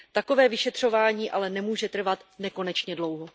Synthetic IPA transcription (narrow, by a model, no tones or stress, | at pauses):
t̪ako̞vɛːvɪʃɛt̪r̝̥o̞vaːɲiːʔalɛnɛmuːʒɛt̪r̩vat̪nɛko̞nɛt͡ʃɲɛdlo̞wɦo